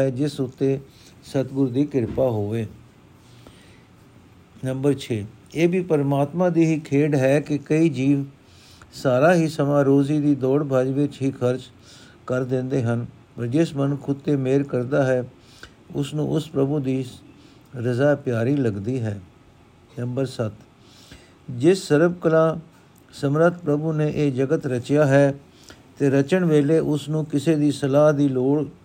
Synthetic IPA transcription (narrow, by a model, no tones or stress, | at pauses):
ɛːd͡ʒɪsʊt̪ːeː | sət̪ɡʊɾd̪iːkɪɾpaːɦoːʋeː | nəmbəɾt͡ʃʰeː | eːbiːpəɾmaːt̪mãːd̪iːɦiːkʰeːɖɦɛːkɪkəiːd͡ʒiːʋ | saːɾaːɦiːsəmãːɾoːziːd̪iːd̪ɔːɽbʱaːd͡ʒʋɪt͡ʃɦiːkʰəɾd͡ʒ | kəɾd̪ɪ̃nd̪eːɦən | pəɾd͡ʒɪsmənkʰʊt̪ːeːmeːɾkəɾd̪aːɦɛː | ʊ̰snṵ̃ːʔʊspɾəbuːd̪iː | ɾəzaːpjaːɾiːləɡd̪iːɦɛː | nəmbəɾsət̪ | d͡ʒɪsːəɾəbkəlãː | səmɾət̪̚pɾəbuːneːʔeːd͡ʒəɡət̪ɾət͡ʃjaːɦɛː | t̪eːɾət͡ʃəɳʋeːleːʔʊsnũːkɪseːd̪iːsəlaːɦd̪iːloːɽ